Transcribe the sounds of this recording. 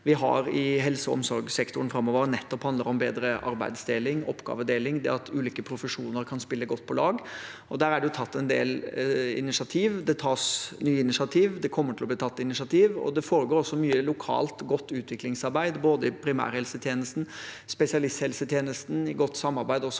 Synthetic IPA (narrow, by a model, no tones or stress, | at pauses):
ʋɪɦɑ̰ɾɪɦɛlsəɔ̰msɔɾɡsɛkt̪ʊənfɾɑmːɔːʋəɾnɛt̪ːɔphɑnd̪əɾɔmbeːd̪ɾəʔɑɾbæ̰ɪd̪sd̪eːlɪŋɔ̰pːɡɑ̰ːʋəd̪eːlɪŋd̪ɛ̰ɑt̪ʉːliːkəpʰɾʊfəʂuːnəɾkʰɑnspɪlːəɡɔt̪ːpʰɔlɑːɡɔd̪æːɾæɖɛjʊt̪ʰɑt̪ːɛnd̪ḛːlɪ̰nɪʂɑt̪ʰiːʋd̪ɛt̪ʰɑːsnyːɪnɪʂɪɑt̪ʰiːʋd̪ɛkʰɔmːəʈʰɪlɔbliːt̪ʰɑt̪ːɪnɪʂɑt̪ʰiːʋɔ̰d̪ɛfoːɾəɡoːɾɔsːɔmyːəlʊkʰɑ̰ːlt̪ɡɔt̪ːʉːt̪ʰʋɪklɪŋsɑɾbæɪd̪boːd̪əɪpʰɾɪmæ̰ːɾhɛlsət̪ʰjeːnəst̪n̩ | spɛsɪɑlɪst̪hɛlsət̪ʰjeːnəst̪n̩ɪɡɔt̪ːsɑmːɑɾbæɪd̪ɔsːɔ